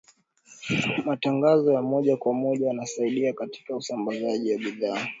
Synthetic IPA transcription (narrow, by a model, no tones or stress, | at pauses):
mataŋɡazɔjamɔʄakwamɔʄajanasaiɗiakati̥kausambazaʄiwaɓiðaː